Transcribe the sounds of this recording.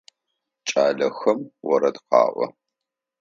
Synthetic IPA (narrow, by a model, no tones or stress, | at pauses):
t͡ʃʼaːɮɐxɐmwɔɾɐdqɑ̰ːʔʷɔ̰